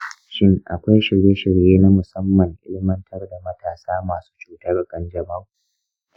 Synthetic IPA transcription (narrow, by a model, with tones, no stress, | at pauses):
ʃɪ˦ŋʔa̰˨kʷa˦jʃɪ˨ɽjeː˦ʃɪ˨ɽjeː˦na˦mʊ˨sɐ˦mːɐ˨ŋʔɪ̰˦lɪ˦mɐ˦ntʰɐ˦rda˨mɐ˦tʰaː˨saː˦maː˨su̥ː˦t͡ʃuː˨ta˦ɽkʼɐ˦nd͡ʒɐ˨ba˦wu˦